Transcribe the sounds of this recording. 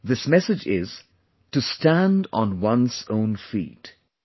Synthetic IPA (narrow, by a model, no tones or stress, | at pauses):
ðɪsmɛsɨd͡ʒɪ̰z̥ | tɨstæ̃nd̃nwʌ̃nzõʊ̃nfḭːt